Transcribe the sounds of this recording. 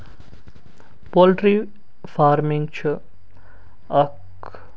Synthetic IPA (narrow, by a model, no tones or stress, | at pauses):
polʈɾi | fʰaɾmiŋt͡ʃʰu | ɐk